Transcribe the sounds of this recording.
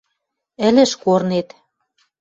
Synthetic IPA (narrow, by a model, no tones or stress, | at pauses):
ɘ̆lɘ̆ʃkornet̪